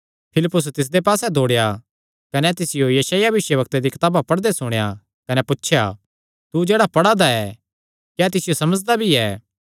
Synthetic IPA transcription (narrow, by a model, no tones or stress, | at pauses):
pʰɪlɪpːʊs̬t̪ɪs̬d̪epaːsɛd̪ʱoːɽeja | kɐnɛt̪ɪsɪjojɐʃaːjabɪʃjəbɐk̚t̪ed̪ikɐt̪aːbapɐɽd̪esʊɽ̃eja | kɐnɛpʊtːʃʰja̰ | t̪ud͡ʒeːɽapɐɽad̪aɛː | kjɛːt̪ɪsɪjosɐməd͡ʒd̪abʱiɛː